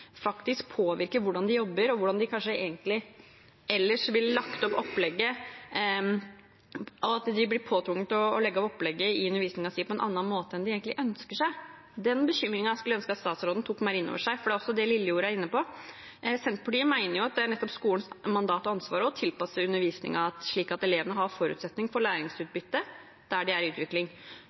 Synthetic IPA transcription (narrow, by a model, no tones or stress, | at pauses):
fɑkt̪ɪsk̚pʰoːʋɪɾkəʋʊɖɑnd̪ɪjɔbːəɾɔʋʊɖɑnd̪ɪkʰɑnʂəeːɡənt̪lɪ | ɛlːəʂʋɪlːɑkt̪əɔpɔplɛɡːə | ɑɑt̪d̪ɪblɪpʰoːt̪ʰɾʊŋːət̪ɔlɛɡːɔpɔpːlɛɡːəɪʉnəɾʋiːsnɪŋɑsiːpʰɔɛnʔɑ̰nːɑnmoːt̪əɛnd̪ɪeːɡənɪʔœnskəʂæɪ | d̪ɛnbəɕʏmːɾɪŋɑskʉlːəœnskəɑt̪st̪ɑːt̪sɾoːd̪n̩t̪ʰʊkːmæɪɾɪno̰ːʋəʂæɪfɔɖɛɔsːɔd̪ɛlɪlːəuːɾəæɾɪnːəpɔ | sɛnt̪̚pʰɑʈiːəmæɪnəɾjʊɑt̪̚d̪ɛæɳɛt̪ːɔpskuːənsmɑnd̪ɑːt̪ɔɑnsʋɑːɾəɔt̪ʰɪlpɑsəʉnːəɾʋiːsnɪ̰ŋɑɑt̪ʂɭiːkɑt̪ɛleːʋənəɦɑɾfɔɾʉ̰t̪sɛt̪nɪŋfɔɭæːɾɪŋsʉːt̪̚bʏt̪ːə | d̪̥æɖɪæɾʉːt̪ʋɪklɪŋ